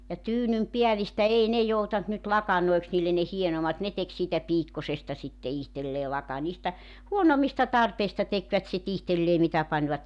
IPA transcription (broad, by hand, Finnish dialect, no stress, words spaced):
jɑ tyːnympiælistæ ei ne joutɑnt nyt lɑkɑnoiks niːlːen ne hienomɑt ne tek siːtæ piːkːɑsestɑ sitːe ihtelːeː lɑkɑ niːstæ huonomˑistɑ tɑrpeistɑ tekʋæt sit ihtelːeː mitæ pɑnʲʋɑt